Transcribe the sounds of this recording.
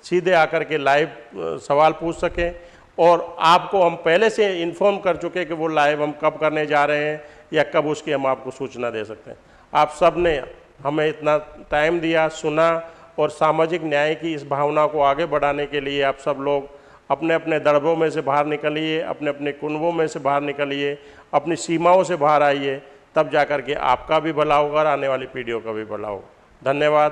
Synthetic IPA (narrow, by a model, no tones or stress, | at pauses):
siːd̪ʱeaːkəɾkelaːɪʋsɐʋaːlpuːt͡ʃʰsɐkẽ | ɔːɾaːpkoɦɐmpɛɦleseɪ̃npʰɔːɾmkɐɾt͡ʃʊkẽkeʋolaːɪʋɦɐmkɐbkɐɾned͡ʒaːɾɐɦeɦɛ̃ | jakɐbʊskiɦɐmaːp̚kosuːt͡ʃnad̪ḛːsɐk̚t̪ḛɦɛ̃ | aːpsɐbne | ɦɐmẽɪt̪nat̪aːɪmd̪ijasʊna | ɔːɾsaːmaːd͡ʒɪknjaːĩkiɪsbʱaːʋnakoaːɡebɐɽ̤aːnekelieaːpsɐbloːɡ | ɐpneɐpned̪əɽbɾõmẽsebʱaːɾnɪkəlieɐ̰pneɐpnekʊnbõmẽsebʱaːɾnɪkəlie | ɐpnisiːmaːõsebʱaːɾaːiet̪ɐbd͡ʒaːkəɾkeʔa̰ːp̚kabʱibʱɐlaːoɡɔːɾaːneʋaːlipiːɖijokabʱibʱɐla̰ːo̰ɡ | d̪ʱɐnjəʋaːd̪